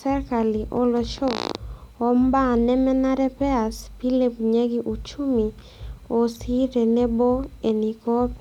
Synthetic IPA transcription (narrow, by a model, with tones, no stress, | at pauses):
sɛ˦ɾka˨li˨ʔo˦lo˨t͡ʃɔ˦ɔ˦mba˦˨nɛ˦mɛ˦na˦ɾɛ˦pɛ˦a˨spi˦le˦pɲe˦ɡi˦ʔu˨t͡ʃu˦mi˨ | o˨si˦ɾe˨ne˦bo˦e˨ni˨kɔ˦p